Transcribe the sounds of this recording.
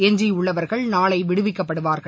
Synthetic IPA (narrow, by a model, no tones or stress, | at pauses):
ɛɲd͡ʒiʊɭːɐʋɐɾɣɐɭnaːɭɐɪʋɪɽɯʋɪkːɐpːɐɽɯʋaːɾɣɐɭ